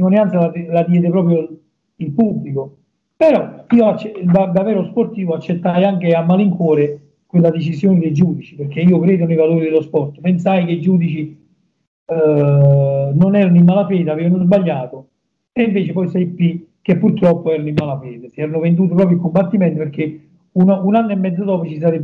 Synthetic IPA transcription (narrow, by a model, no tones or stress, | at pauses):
ŋonjant̪salalad̪jɛːd̪epɾɔːp̬ɾjo | ilpubːliko | peɾɔiːoat͡ʃːɛd̪ad̪avɛːɾosport̪iːvoat͡ʃːet̪ːajaŋk̟eamːaliŋkwɔːɾe | kwelːad̪et͡ʃizjoːnɪd̪ejd͡ʒuːd̪it͡ʃi̥perɾk̟ːeiːokɾeːd̪ʊnejvaloːɾid̪elospɔrt̪pensajkeid͡ʒuːd̪it͡ʃi | nonɛːɾanʊimːaːlafɛːd̪eaveːvanozbaʎːaːt̪o | eiɱveːt͡ʃepɔjsɛjpːik̟ːepːurt̪ɾɔpːoɛːɾanoimːalafɛːd̪esiɛːɾanʊvend̪uːt̪op̬ɾɔːp̬joilkombat̪ːimɛnt̪opeɾk̟e | ununanːoɛmːɛd̪zːod̪ɔːpot͡ʃis̬aɾeb